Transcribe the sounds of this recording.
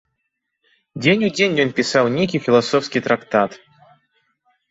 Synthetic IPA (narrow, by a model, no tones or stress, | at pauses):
dʲenʲudʲenʲjɔnpʲɪsawnʲekʲifʲɪlˠɐsɔfskʲijt̪ɾakt̪at̪